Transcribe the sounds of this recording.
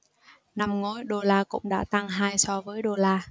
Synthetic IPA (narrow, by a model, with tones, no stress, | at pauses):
na˧mŋo˨˦jɗo˧laː˧kʊ̰˧˥ŋ͡mɗa̰ː˧˥t̪a˧ŋɦaː˧jsɔ˧vəː˨˦jɗo˧laː˧